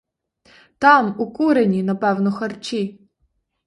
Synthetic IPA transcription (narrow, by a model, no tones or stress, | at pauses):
t̪ɑmukuɾenʲinɐpɛwnɔxɐrt͡ʃʲi